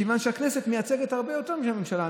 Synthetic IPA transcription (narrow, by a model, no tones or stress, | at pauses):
evanʃeakneset̪mejat͡seɡet̪haʁbejot̪eʁmiʃamemʃala